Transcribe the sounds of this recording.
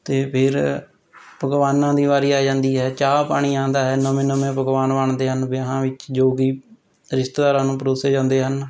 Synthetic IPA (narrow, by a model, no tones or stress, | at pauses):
t̪eːpʰɪɾ | pəɡʋaːnːãːd̪iːʋaːɾiːaːd͡ʒãːnd̪iːɦɛːt͡ʃaːpaːɽ̃iːãːnd̪aːɦɛːnəmẽːnəmẽːpəɡʋaːnʋaːɳd̪eːɦənbɪɦãːʋɪt͡ʃd͡ʒoːɡiː | ɾɪst̪ːdaːɾãːnũːpɾoːseːd͡ʒãːnd̪eːɦən